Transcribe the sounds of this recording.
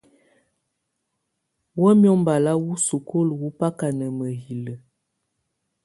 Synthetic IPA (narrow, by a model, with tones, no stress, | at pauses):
wɔ˦mjɔ˦mba˨la˦wu˦su˨ko˦lwu˦pa˦ka˨nə˨mə˨ɦi˨lə˨